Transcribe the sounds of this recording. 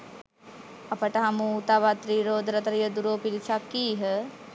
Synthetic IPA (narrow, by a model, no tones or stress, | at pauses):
apəʈəɦamuːt̪aʋat̪ɾiːɾoːd̪ɾət̪əɾijəd̪uɾoːpilisakːiːɦə